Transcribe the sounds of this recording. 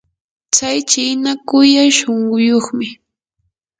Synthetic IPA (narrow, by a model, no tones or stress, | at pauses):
t͡sajt͡ʃɪnakʊjajʃoɴɢʊjoχmɪ